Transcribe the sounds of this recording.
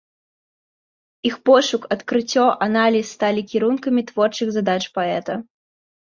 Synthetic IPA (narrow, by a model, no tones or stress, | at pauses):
ixpɔʂukɐt̪kɾɨt͡sʲːɔʔanalʲisːt̪alʲikʲiɾunkɐmʲit̪vɔrt͡ʂɨɣzad̪at͡ʂpaɛt̪ɐ